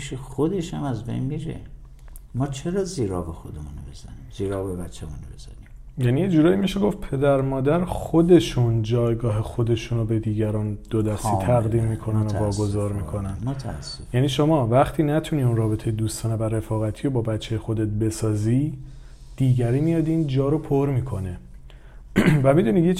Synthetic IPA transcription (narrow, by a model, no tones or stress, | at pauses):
iʃexod̪eʃhæmæzbḛjnmiɾḛ | mɒːt͡ʃʰeɾɒːziːɾɒ̰ːbexod̪emunobezæ̰nimziːɾɒːbebæt͡ʃʰːemunobez̥ænimjænijed͡ʒuːɾɒːjimiʃeɡo̞fpʰe̞d̪æɾmɒːd̪æɾxo̞d̪e̞ʃund͡ʒɒːjɡɒːɦe̞xo̞d̪e̞ʃuːnobe̞d̪iːɟæɾɒːnd̪̥od̪æst̪iːt̪ʰæɣd̪iːmːiːkʰo̞nænovɒːɡo̞zɒːɾmiːkʰo̞nænmot̪ʰasːojæːniːʃomɒːvæχt̪ʰiːnæt̪ʰuniːunrɒːbe̞t̪ʰe̞jed̪uːst̪ʰɒːnevæɾe̞fɒːɣæt̪ʰiːjobɒːbæt͡ʃʰːejexo̞d̪e̞t̪̚be̞sɒːzi | d̪̥iːɟæɾiːmijɒd̪iːnd͡ʒɒːɾo̞pʰoɾmiːkʰo̞ne̞ | væmid̪uːnid̪je